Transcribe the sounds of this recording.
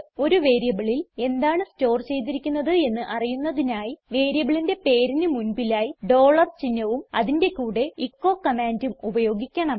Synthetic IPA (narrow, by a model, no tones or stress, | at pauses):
o̞ɾuʋe̞ːɾijɐbiɭile̞nd̪aːɳɨsto̞ːrt͡ɕe̞jt̪̬iɾikʲːunːɐðɨe̞nːɨʔɐrijunːɐðinaːjiʋe̞ːɾijɐbiɭinde̞pe̞ːɾinɨmunbilaːjiɖo̞ːɭɐrt͡ɕinːɐʋumɐ̰ðinde̞kuːɽe̞ikːo̞ːkːɐmaːndumubɐjo̞ːɡikʲːɐɳɐm